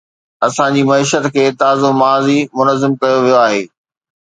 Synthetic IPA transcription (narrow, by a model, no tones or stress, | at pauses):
ɐsãd͡ʑiːmɐiːʃət̪kʰeːt̪aːzomaːzimʊnəzɪmkɐjoʋijoaːɦeː